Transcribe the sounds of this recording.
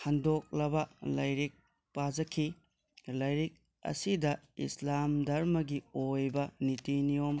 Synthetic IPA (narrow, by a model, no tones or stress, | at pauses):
hɐndok̚lɐbɐlɐjɾik̚ | pad͡ʒɐkʰi | lɐjɾik̚ | ɐ̰sidɐḭslamdɐɾmɐɡiojbɐnitiniom